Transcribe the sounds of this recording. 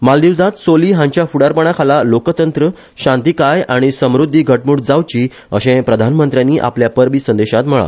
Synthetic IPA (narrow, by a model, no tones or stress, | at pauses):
mald̪iʋd͡zat̪soliːɦãɲt͡ɕjafuɽaɾpəɳ̃akʰalalokt̪ənt̪ɾə | ɕãnt̪ikajaɽ̃isəmɾud̪ʱːiːɡʱəʈ̚muːʈd͡zawt͡ɕiː | əɕẽpɾəd̪ʱanmənt̪ɾjãnːiːʔa̰pljapəɾbiːsənd̪eɕat̪m̤əɭa̰